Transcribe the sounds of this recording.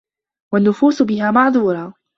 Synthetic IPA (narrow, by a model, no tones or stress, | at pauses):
wanːʊfuːsʊbɪhaːmɑʕðˤuːɾˤɑː